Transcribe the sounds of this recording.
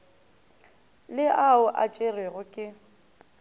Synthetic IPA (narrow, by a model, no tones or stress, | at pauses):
lɪʔaʊʔa̰t͡ʃʼereɣʊkʼɪ